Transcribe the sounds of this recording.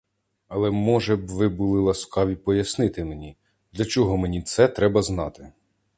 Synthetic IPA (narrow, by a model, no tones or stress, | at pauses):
ɐlˠɛmɔʒɛbʋɪbulˠɪlˠɐskɑʋʲipɔjɐsnɪt̪ɪmenʲi | d̪lʲɐt͡ʃɔɦɔmenʲit̪sɛt̪ɾɛbɐznɑt̪ɪ